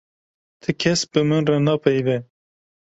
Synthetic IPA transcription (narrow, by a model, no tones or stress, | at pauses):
t̪ʰɨkʲʰɛsbɨmɨnrɑnɑpʰɛjvɛ